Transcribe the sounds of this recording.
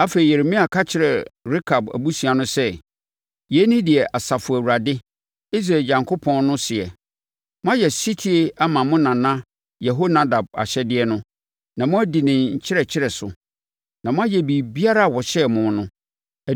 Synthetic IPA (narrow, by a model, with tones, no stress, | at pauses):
a˦fe˨i˨jɛ˨ɾe˨˦mĩ˦a˨kʰa˦t͡ɕʰɪ˨ɾɛ˨ɾi˦kʰa˨bæ̰˨bu˦su˨a˨nʊ̃˦sɛ˦ | jɛ˨˦nĩ˦dɪ˨ɛ˨ʔa˨sa˨fʊ˨æ˨wu˨ɾa˨dɪ˦ | i˦s̬ɾa˨ɲã˨ŋkʰo˦pʰɔ̃˦nnʊ̃˦sɪ˨ɛ̰˨ | mʊ̃˦a˦jɛ˨si˦tʰi˦e˦a˦mã˨mʊ̃˦nã˨nã˦ | jɛ˨ɦo˦nã˦da˨b̚a̰˨ɕɛ˦dɪ˦ɛ˦nʊ̃˦ | nã˨mʊ̃˦æ˦di˨nɪ̃˨ɲ˨ɲ̩˨t͡ɕʰɪ˦ɾɛ˨t͡ɕʰɪ˦ɾɛ˨sʊ̰˨ | nã˨mʊ̃˦a˦jɛ˨bi˨bi˦a˦ɾa˦a˨wɔ˨ɕɛ˦mʊ̃˨˦nʊ̃˦ | æ˨